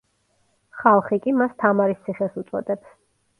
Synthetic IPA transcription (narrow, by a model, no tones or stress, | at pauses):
χalˠχikʼimast̪ʰamaɾist̪sʰiχɛsut̪sʼɔ̰d̪ʼɛps